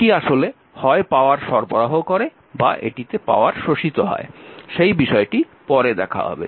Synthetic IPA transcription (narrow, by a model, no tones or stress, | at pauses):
ʈiaʃole | hɔepaoaɾʃɔɾpoɾaɦokoɾe | ba̰ʔḛʈit̪epa̰oaɾʃoʃit̪oɦɔ̰eʃejbiʃɔeʈi | pɔɾed̪ɛkʰa̰ɦɔ̰bḛ